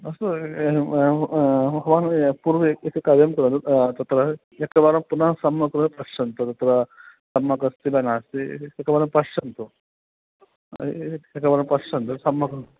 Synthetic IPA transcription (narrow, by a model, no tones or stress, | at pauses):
ɐst̪u | ɦɐʋaːnpuːɾʋiekɐkaɾjɐmkɐɾɐnd̪ut̪ɐt̪ɾɐ | ekɐʋaːɾɐmpunɐɦsɐmːɐkɾɐnpɐʂɐnt̪ɐt̪ɐt̪ɾɐsɐmːɐkɐst̪ibɐnaːst̪iekːɐbaːɾɐmpɐʂʂɐnt̪u | ekːɐbaːɾɐmpɐʂt͡ʃɐnt̪usɐmːɐkɐɾɐ